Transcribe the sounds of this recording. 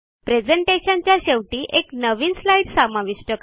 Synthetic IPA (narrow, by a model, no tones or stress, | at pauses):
pɾed͡zeɳʈeɕaɲt͡ɕjaɕeʋʈiːʔeknəʋiːnslaiʈsamaʋiʂʈək